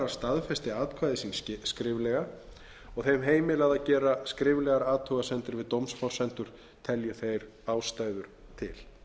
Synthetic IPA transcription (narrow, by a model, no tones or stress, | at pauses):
ɾḁst̪aðfɛst̪ɪaːðt̪kʰvajðɪsinskɾɪːvlɛɣa | ɔɣθejmɦeːjmɪlaɣðacɛːɾaskɾɪːvlɛɣaɾaːt̪ʰuɣasɛnt̪ɪɾvɪðt̪owmsfɔw̥r̥sɛnt̪ʏɾ̥ | t̪ʰɛljʏθejɾ | aːwst̪aːjðʏɾ̥ | t̪ʰɪ̰l